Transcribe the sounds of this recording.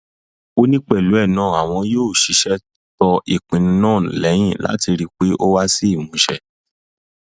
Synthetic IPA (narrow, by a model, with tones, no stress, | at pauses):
o˦nĩ˦k͡pɛ˦˨lu˨˦ɛ˦˨nãː˦˨a˨w̃ɔ̃˧joː˦˨ʃi˨˧˦ʃɛ˧ | tɔ˧ʔi˨k͡pĩ˨nĩ˧˦nãː˦˨lɛ˨˦j̃ĩ˦˨la̰˨˦ti˧ɾi˧k͡pe˦ʔo˦wa˦si˦i˦˨mũ˨˦ʃɛ˦˨